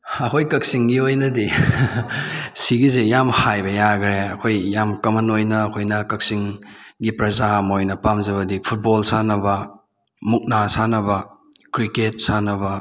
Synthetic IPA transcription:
ɐkʰojkɐk̚siŋɡiojnɐdi | siɡizejamhajbɐjaɡɾeɐkʰojːamkɐmɐnojnɐːkʰojnɐkɐk̚siŋɡipɾɐzamojnɐpamzɐβɐdipʰut̚bolsanɐbɐ | muk̚nasanɐbɐ | kɾiket̚sanɐbɐ

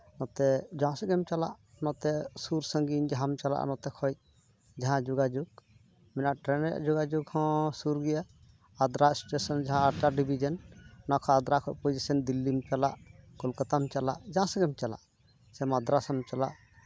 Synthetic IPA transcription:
nɔt̪ɛd͡ʒaãsɛɡɛmt͡ʃala̰ʔ | nɔt̪ɛsuɾsə̃ŋɡind͡ʒaɦamt͡ʃala̰ʔnɔt̪ɛkʰɔj̚ | d͡ʒaɦãd͡ʒuɡad͡ʒuɡ̚ | mɛnaʔʈɾɛnɛ̰ʔd͡ʒuɡad͡ʒuɡhɔ̃suɾɡɛjaː | d̪ɾasʈesɔnd͡ʒaɦãaɾtaɾɖibid͡ʒɔnnɔkʰɔad̪ɾakʰɔj̚pɔjd͡ʒɛsɛnd̪ilːimt͡ʃala̰ʔkɔlkat̪amt͡ʃala̰ʔd͡ʒaãsɛɡɛmt͡ʃala̰ʔ | sɛmad̪ɾasɔmt͡ʃala̰ʔ

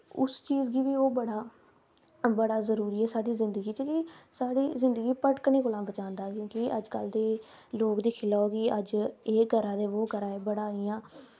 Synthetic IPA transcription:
ʊ̰st͡ʃiːzɡiːʋiːoːbəɽaː | bəɽaːzəɾuːɾiːɛːsaːɽiːzɪ̃nd̪əɡiːt͡ʃəkiːsaːɽiːzɪnd̪əɡiːpəʈkneːkoːlãːbət͡ʃãːnd̪aːkjõːkɪʔəd͡ʒkəld̪eː | loːkd̪iːkʰɪlaːoːɡiːəd͡ʒeːɡʱəɾãːd̪eːʋoːɡəɾaːeːbəɽaːiːãː

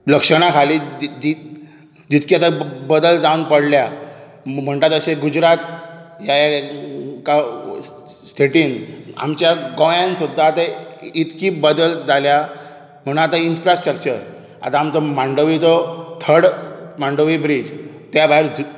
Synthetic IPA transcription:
ləkʂəɽ̃akʰaliːd͡ʑi | d͡ʑit̪kiat̪abəd̪əld͡zaunpəɽlja | m̤əɳt̪at̪əɕeɡud͡zɾat̪̚jaja | ka | st̪ʰeʈiːna̰mt͡ɕjaɡojãnsud̪ʱːaːt̪ait̪kiːbəd̪əld͡zalja | m̤əɽ̃ũnat̪ainfɾasʈɾəkt͡ɕəɾ | a̰t̪aːmt͡sɔmãɳɖəʋit͡sɔt̪ʰəɽmãɳɖəʋibɾid͡z | t̪jabʱaɦiɾ

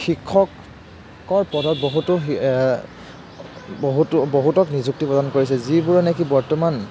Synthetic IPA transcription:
xikʰːɔk | ɔɹpɔdʱɔt̚boɦutʊ | bɦutboɦutɔknizuk̚tipɔdankoɹisɛzibuɹɛnɛkibɔɹtɔman

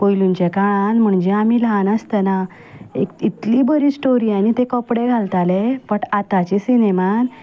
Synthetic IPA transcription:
pojlunt͡ɕekaɭanm̤əɳd͡ʑeamilanast̪əna | ḛkit̪liːbəɾiːsʈoɾiːanit̪ekɔpɽeɡʱalt̪alepəʈat̪at͡ɕisineman

